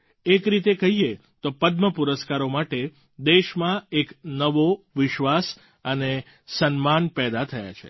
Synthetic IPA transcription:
ekɾit̪ekəɦie | t̪opəd̪məpuɾəskaɾomaʈe | d̪eʃmãeknəʋoʋɪʃʋas | əne | sənmanpɛd̪at̪ʰəja̰t͡ʃʰḛ

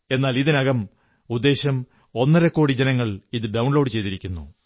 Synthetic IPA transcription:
e̞nːaːliðinɐɣɐm | ud̪ːe̞ːɕɐm | o̞nːɐɾɐkːo̞ːɽid͡ʑenɐŋːɐɭiðɨɖɐwɳloːɖɨt͡ɕe̞jt̪iɾikʲːunːṵ

